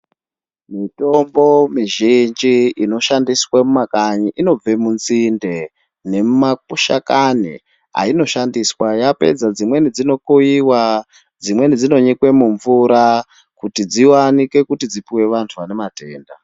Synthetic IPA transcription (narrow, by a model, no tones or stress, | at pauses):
mito̞mbo̞miʒind͡ʒiino̞ʃandiswamumakaɲiʔino̞b͡ve̞munzinde̞ | ne̞mumakuʃa̰kanḭ | a̰ino̞ʃandiswajape̞̰d͡zad͡zimwe̞nid͡zino̞koiwa | d͡zimwe̞nid͡zino̞ɲikwe̞muɱvuɾa | kutid͡ziwanike̞kutid͡zipiwe̞ʋantʰuʋane̞mate̞ːnda